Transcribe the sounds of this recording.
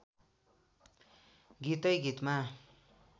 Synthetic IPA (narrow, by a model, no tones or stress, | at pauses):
ɡit̪ʌjɡit̪ma